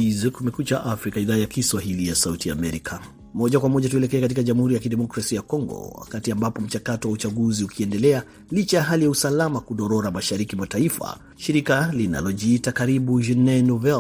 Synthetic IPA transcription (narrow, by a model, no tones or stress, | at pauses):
izkumɛkut͡ʃaʔafɾikaiðaːjakiswaɦilijasautia̰ːmɛɾikʰa | mɔʄakwamɔʄatuɛlɛkɛɛkat̬ikaʄamuhuɾijakidɛmɔkɾasiajakɔŋɡɔ̰wa̰katiambapɔm̩t͡ʃakatɔwaut͡ʃaɡuziukʰiɛndɛlɛa | lit͡ʃajaɦalijausalamakuɗɔɾɔɾamaʃaɾikimataifa̰ | ʃiɾikalina̰lɔd͡ʒiitakaɾiɓuʒɛnɛnɔvɛl